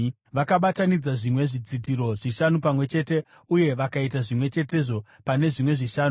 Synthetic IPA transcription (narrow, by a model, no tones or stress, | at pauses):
ʋakaɓatanid͡zaʐimwe̞ʐid͡zidʱiɾo̞ʐiʃanupamwe̞t͡ʃe̞te̞ | uje̞ʋakait̬aʐimwe̞t͡ʃe̞te̞ʐo̞ | pane̞ʐimwe̞ʐiʃaːnu